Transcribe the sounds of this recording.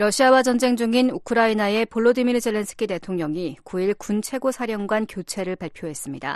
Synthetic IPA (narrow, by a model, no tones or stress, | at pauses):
ɾʌɕʰiawad͡ʑʌnd͡ʑe̞ŋd͡ʑuŋinukʰɯɾainae̞poɭːodimiɾd͡ʑe̞ɭːe̞ns͈ʰɯ̥kʰite̞tʰoŋɲʌŋikuiɭkunt͡ɕʰe̞ɡosʰaɾjʌŋɡwankjot͡ɕʰe̞ɾɯɭpaɭpʰjoɦe̞s͈ɯmɲida̰